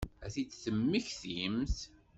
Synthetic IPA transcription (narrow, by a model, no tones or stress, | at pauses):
æθit͡sːθəmːiçθjəmθ